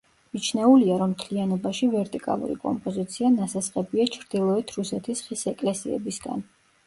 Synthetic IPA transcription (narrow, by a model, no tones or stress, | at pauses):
mit͡ʃʰnɛuliaɾɔmːt̪ʰlianɔbaʃivɛɾt̪ʼikʼa̰lˠṵɾḭkʼɔ̰mpʼɔzit̪sʰianasasqʼɛbiat͡ʃʰɾd̪̥ilˠɔɛt̪ʰɾusɛt̪ʰisχisɛkʼlɛsiɛ̰bisɡa̰n